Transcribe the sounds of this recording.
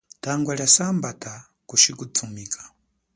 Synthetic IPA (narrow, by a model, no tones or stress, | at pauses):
tʰaŋɡwaljasambatʰa | kut͡ʃikut͡sʰumiːkʰḁ